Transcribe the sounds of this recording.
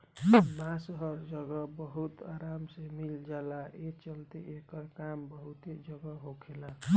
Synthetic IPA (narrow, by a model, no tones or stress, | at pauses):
mãsəɦʌɾd͡ʒəɡəbəɦut̪aɾamsemild͡ʒalaʔet͡ʃəlt̪iʔekəɾkambəɦut̪ed͡ʒəɡəɦokʰela